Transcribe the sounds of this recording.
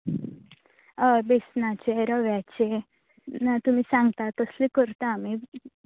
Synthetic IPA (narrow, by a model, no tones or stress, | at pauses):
əbesnat͡ɕeɾəʋjat͡ɕe | nat̪um̤isãŋɡt̪at̪əslikəɾt̪aːmi